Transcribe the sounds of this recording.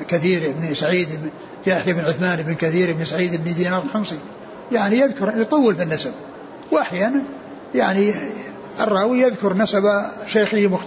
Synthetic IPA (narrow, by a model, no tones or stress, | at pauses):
kaθiːɾʔɪbnisaʕiːd̪ɪb | jaːħjaɪbnʕʊθmaːnɪbɪnkaθiːɾɪbnisaʕiːd̪ɪbnid̪iːnɑːɾˤxamsi | jaʕnijɪðkʊɾjt̪ˤɑwːɪlbɪnːasab | wʔaħjaːnan | jaʕni | ʔɨrˤːɑːwijɪðkʊɾnasabaʃaːxɪhmʊx